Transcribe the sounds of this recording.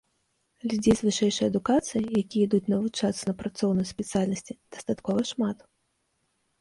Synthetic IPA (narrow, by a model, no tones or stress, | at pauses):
lʲid͡zʲezʲvɨʂɛjʂɐjɐd̪ukat̪sɨjijakʲijɛid̪ut͡sʲnɐvut͡ʂat̪sɐnɐpɾat̪sɔwnɐjuspʲɛt̪sɨjalʲnɐsʲt͡sʲid̪̥ɐ̥st̪at̪kɔvɐʂmat̪